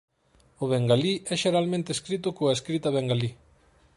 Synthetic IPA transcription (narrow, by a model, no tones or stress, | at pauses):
oβeŋɡaliʔeʃeɾalme̞nt̪eskɾit̪ukoeskɾit̪aβeŋɡali